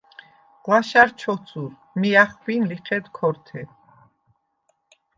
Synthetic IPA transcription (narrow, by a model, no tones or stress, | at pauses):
qwaʃaɾt͡ʃʰɔt̪t͡sʰʼuɾ | miaχbinliχʰɛd̪kʰɔɾt̪ʰɛ